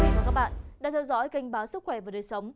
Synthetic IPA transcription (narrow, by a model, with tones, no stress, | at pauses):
vaː˨˩kaː˦˥k̚ɓa̰ː˧˨nɗa̰ː˧˥t̪ʰɛ˧wzɔ̰˧˥jka˨˧jŋ̟ɓaː˨˦wsɨ˦˥k̚xwɛ˧˩vaː˨˩ɗəː˨˩jsə˨˦wŋ͡m